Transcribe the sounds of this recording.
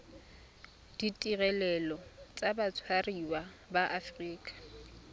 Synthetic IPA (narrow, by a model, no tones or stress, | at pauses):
d̥itʼiɣɛlɛlɔt͡sʼabat͡sʰwariwa | baʔafriːkʼḁ